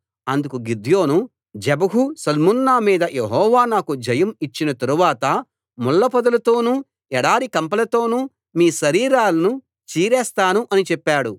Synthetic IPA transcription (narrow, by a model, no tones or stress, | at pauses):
ɐnd̪ukuɡid̪ʱjo̞ːnu | d͡ʒɛbɐɦusɐlmunːaːmiːd̪ɐjeɦɔːʋaːnaːkud͡ʒɐjɐmit͡ʃːinɐt̪ɐɾuʋaːt̪ɐ | mulːɐpɐd̪ɐlɐt̪o̞ːnuː | ɛɽaːɾikɐmpɐlɐt̪o̞ːnuː | miːʃɐɾiːɾaːlɐnu | t͡ʃiːɾɛːst̪aːnuʔɐnit͡ʃɛpːaːɽu